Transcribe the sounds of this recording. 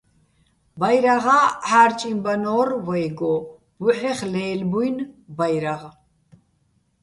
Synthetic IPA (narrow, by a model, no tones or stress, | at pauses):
bajɾaʁaːħaːɾt͡ʃʼimbanɔːrvɔjɡɔ | buħɛχlɛːlbujnbajɾaʁ